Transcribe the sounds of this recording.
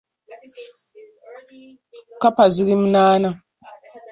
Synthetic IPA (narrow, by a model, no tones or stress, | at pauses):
kapazilimnaːna